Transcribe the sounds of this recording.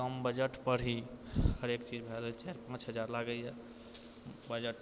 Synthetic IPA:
əmbəd͡ʒəʈpəɽ̤ihəɾekt͡ʃid͡ʒbʱɛlt͡ʃaɾpãt͡ʃɦəd͡ʒaɾlaɡəjɛ | bəd͡ʒəʈ

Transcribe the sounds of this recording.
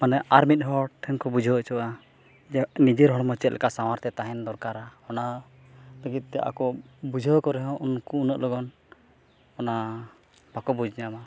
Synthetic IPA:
manɛʔaɾmit̪̚ˀɦɔɽʈʰɛnkɔbud͡ʒʱət͡ʃɔwa | nid͡ʒɛɾɦɔɽmɔt͡ʃɛt̪̚lʔɛ̰kasawaɾt̪ɛt̪aɦɛnd̪ɔɾkaɾaɔna | ləɡit̪̚ˀt̪ɛʔa̰kɔbud͡ʒʱɔkɔɾɛɦɔ̃ʔunkuːnəʔlɔɡɔn | ɔna | b̥akɔbud͡ʒɲama

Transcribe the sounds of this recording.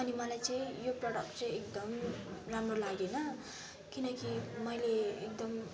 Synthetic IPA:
ʌnimʌlajt͡sʌĩjoprʌɽʌkʈt͡sʌĩekd̪ʌmramrolaɡenʌ | kinʌkimʌjleek̚d̪ʌm

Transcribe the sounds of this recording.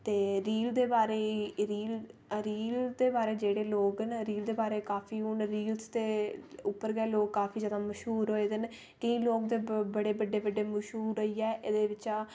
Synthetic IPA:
t̪eːɾiːld̪eːbaːɾeːɾiːlɾiːld̪eːbaːɾeːd͡ʒeːɽeːloːɡnɾiːld̪eːbaːɾeːkaːpʰiːʊnɾiːlst̪eːʊpːəɾɡɛːloːɡkaːpʰiːd͡ʒəd̪ãːməʃɦuːɾɦoːeːd̪ɪn | kəĩːloːɡd̪eːbəɽeːbəɖːeːbəɖeːməʃɦuːɾəiːɛːʔɪd̪eːʋɪt͡ʃaː

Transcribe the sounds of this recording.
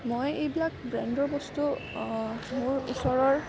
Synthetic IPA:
mojejbilak̚bɹɛndɔɹbɔstu | muɹusɔɹɔɹ

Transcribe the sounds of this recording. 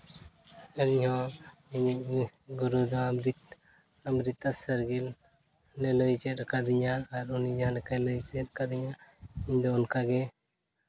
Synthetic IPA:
ənihɔ̃iɲiʔ̚ɡuɾud̪ɔɾit̪ | amɾit̪ːasəɾɡil | nɛləjt͡ʃɛt̪̚kʰad̪iɲaːɾɔnid͡ʒaɦãlɛkajləjt͡ʃɛt̪̚kad̪iɲaiɲd̪ɔːnkaɡɛ

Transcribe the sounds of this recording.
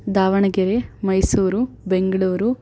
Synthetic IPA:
d̪aːʋɐɳɐɡeɾemɐjsuːɾu | beŋɡɐɭuːɾu

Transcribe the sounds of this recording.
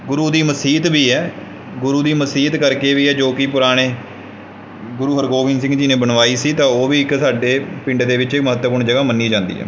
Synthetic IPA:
ɡʊɾuːd̪iːməsiːt̪ʋiːɛː | ɡʊɾuːd̪iːməsiːt̪kəɾkeːʋiːɛːd͡ʒoːkɪp̬ʊɾaːɽ̃eː | ɡʊɾuːɦəɾɡoːʋɪ̃ns̬ɪ̃ŋɡd͡ʒɪnẽːbənʋaːiːsiːt̪ãːoːʋiːɪksaːɖeːpɪ̃ɳɖd̪eːʋɪt͡ʃməɦət̪ːəpʊɳd͡ʒəɡaːmənːiːd͡ʒãːnd̪ḭːɦɛ̰ː

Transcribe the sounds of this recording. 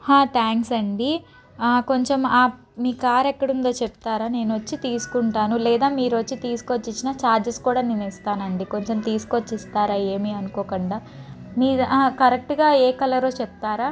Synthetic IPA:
haːt̪ʰaːŋksɐɳɖi | ko̞ɲt͡ʃe̞maː | miːkaːɾɛkːɐɽund̪oːt͡ʃep̚t̪aːɾaːne̞ːnʋɐt͡ʃːit̪iːsu̥kuɳʈaːnulɛːd̪aːmiːɾʋɐt͡ʃːit̪iːsu̥kot͡ʃːit͡ʃːinat͡ʃaːɾd͡ʒɐskuːɽaːninɐist̪aːnɐɳɖiko̞ɲt͡ʃemt̪iːsu̥kot͡ʃːist̪aːɾaːe̞ːmiɐnukɔːkɐɳɖaː | miːkɐɾek̚ʈɡaːeːkɐlɐɾoːt͡ʃɛp̚t̪aːɾaː

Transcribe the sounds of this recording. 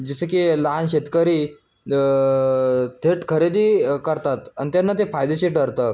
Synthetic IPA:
d͡ʑisəkilaɦanɕet̪kəɾiː | t̪ʰeʈkʰəɾed̪iːkəɾt̪at̪anit̪janːat̪efajd̪eɕeʈɖəɾt̪ə

